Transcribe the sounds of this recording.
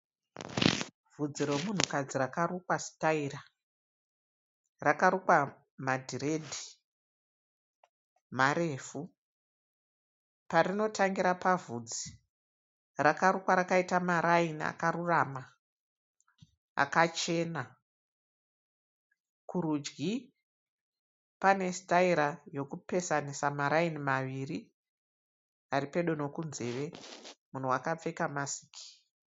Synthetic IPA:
vud͡ziɾemun̤ukad͡zirakarukwasi̥taira | rakaɾukwa | madʱiɾe̞dʱi̥ | maɾeːfu | paɾino̞tʰaŋɡiɾapavud͡zi | rakaɾukwaɾakaitamaɾainia̰kaɾurama | a̰kat͡ʃe̞ːna | kuɾud͡ʒɡi | pane̞staiɾajo̞kupe̞sanisamaɾainimaʋiri | aripe̞ɗo̞no̞kunze̞ʋe̞mun̤uwakap͡fe̞kamasi̥ːkʰi̥

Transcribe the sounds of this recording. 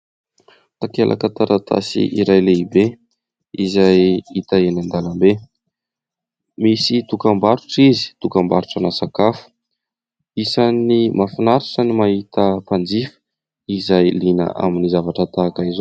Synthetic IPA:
t̪akelʔa̰kat̪aɾat̪ʰa̰sḭʔiɾajleibe | izajit̪aenand̪alambe | misit̪ukambaɾuʈ͡ʂizi̥t̪ukambaɾuʈ͡ʂanasakafu̥ | isanimafinaɾaʈ͡ʂənimaɦit̪əpand͡zifə̥ | izajlinə̰ʔa̰minizavaʈ͡ʂət̪akaizo

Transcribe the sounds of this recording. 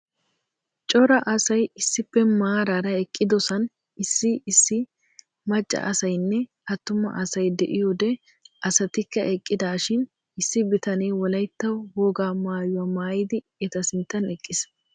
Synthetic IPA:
t͡ʃʼɔɾɐʔɐsɐjɪsːɪpːɛmaːɾaɾɐɛkʼːɪd̪ɔsɐn | ɪsːɪɪsːɪ | mɐt͡ʃʼːɐ̰ʔɐsɐjnːɛ | ɐt̪ːʊmːɐ̰ʔɐsɐjd̪ɛ̰ʔɪjɔd̪ɛ | ʔɐsɐt̪ɪkːɐʔɛkʼːɪd̪aːʃɪn | ɪsːɪbɪt̪ɐneːwɔlɐjt̪ːɐwhoːɡaːmaːjʊwɐmaːjɪd̪ɪ | ɛt̪ɐsɪnt̪ʼːɐnɛkʼːɪs

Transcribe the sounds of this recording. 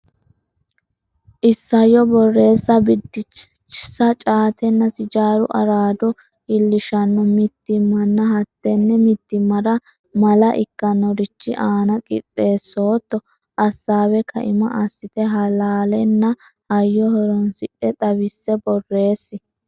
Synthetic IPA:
ʔɪsːɐjɔbɔrːe̞ːsːɐbɪd̪ɪt͡ʃ | t͡ʃːɪsɐt͡ʃʼaːt̪ɛnːɐsɪd͡ʒaːɾʊ̰ʔɐ̰ɾaːd̪ɔ | ɪlːɪʃɐnːɔmɪt̪ːɪmːɐnːɐɦɐt̪ːɛnːɛmɪt̪ːɪmːɐɾɐ | mɐlɐʔɪ̰kːɐnːɔɾɪt͡ʃːɪʔaːnɐkʼɪ̰t̪ʼːe̞ːsːo̞ːt̪ːɔ | ʔɐsːaːwɛkʰɐ̰ʔɪmɐ̰ʔɐsːɪt̪ɛɦɐlaːlɛnːɐ | ʔɐjːɔhɔɾɔnsɪʔɛt̪ʼɐβɪsːɛbɔrːe̞ːsːɪ

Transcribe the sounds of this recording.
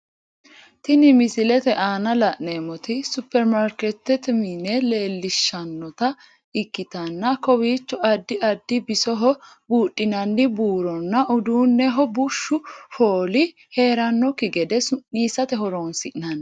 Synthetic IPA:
t̪ɪnɪmɪsɪlɛt̪ɛʔaːnɐlɐʔneːmɔt̪ɪsʊpːɛɾmaɾkɛt̪ːɛt̪mɪnɛleːlːɪʃːɐnːɔt̪ɐ | ɪkːɪt̪ɐnːɐkɔwiːt͡ʃːɔɐd̪ːɪɐd̪ːɪbɪsɔɦɔ | buːtʼːɪnɐnːɪbuːɾɔnːɐʔʊd̪uːnːɛɦɔbʊʃːʊfoːlɪ | he̞ːɾɐnːɔkːɪɡɛd̪ɛsʊnːiːsɐt̪ɛɦɔɾoːnsɪʔnɐn

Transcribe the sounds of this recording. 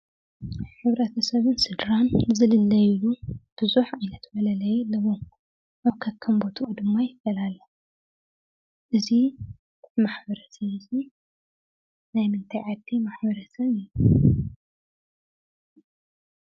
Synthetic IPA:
ħɨβɾɐt̪ʰɐsɐβɨnsɨd̪ɾanzɨlɨlːɐjjub̥ɨzuħajnɐt̪ʰbɐlɐlɐjlɐβoŋ | ʔaβkʰɐkʰːɐmbot̪ʰʔud̪ɨmːajɪfɐlalɐ | ʔɨzi | ɨt̪ʰɨmaħbɐɾɐsɐβɨzi | najmɨnt̪ʰajʕad̪ːimaħbɐɾɐsɐβɨjːu

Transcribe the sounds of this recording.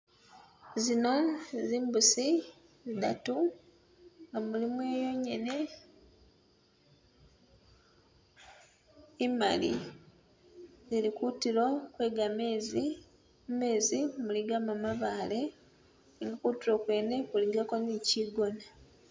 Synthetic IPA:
zinoziːmbusi | zidatu | ŋɡamulimwejo̞ɲe̞ne | ima̰li | zilikutilo̞kwe̞ːɡamezi | mume̞ːzimuliɡamamaβaːle̞ | iŋɡakutiɾo̞kwe̞ːne̞kuliɡako̞niciɡo̞na

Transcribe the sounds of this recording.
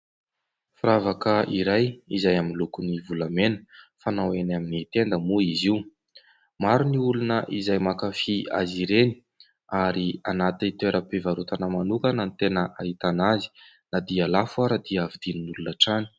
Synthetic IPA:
fɾavakəʔiɾajizajaminlukunivulamenə̥fanawenaminit̪end̪əmuiziw | maɾuniulunəʔizajmakafia̰ziɾeni̥ | aɾianat̪it̪eɾʔəpevaɾut̪anəmanukanənit̪enəʔaɦit̪anazi̥ | nad̪ialafuaɾad̪iəavid̪ininulunaʈ͡ʂani̥

